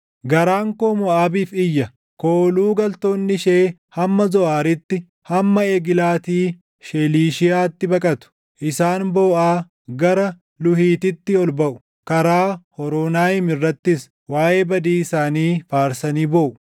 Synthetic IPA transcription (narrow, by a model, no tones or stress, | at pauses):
ɡɐɾaːŋkoːmɔaːbiːfɪjːɐ | koːluːɡɐlt̪o̞ːnːɪʃeːhɐmːɐzɔʔaːɾɪt̪ːɪ | hɐmːɐɛɡɪlaːt̪iː | ʃɛliːʃɪjaːt̪ːɪbɐkʼɐt̪ʊ̥ | ʔɪsaːnboːʔaː | ɡɐɾɐ | lʊhiːt̪ɪt̪ːɪɔlbɐʔʊ̥ | kɐɾaːhɔɾoːnaːɪmɪrːɐt̪ːɪs | waːʔe̞ːbɐd̪iːɪsaːniːfaːɾsɐniːboːʔʊ